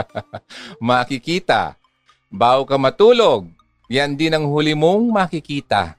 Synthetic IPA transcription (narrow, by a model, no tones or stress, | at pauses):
mɐkɪkiːt̪a̰ | baːʔʊkɐmɐt̪uːloɡ̚ | jand̪ɪnɐŋhʊlɪmoŋmɐkɪkiːt̪a̰